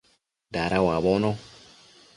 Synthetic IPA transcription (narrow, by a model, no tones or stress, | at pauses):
daɾawaβɔnɔ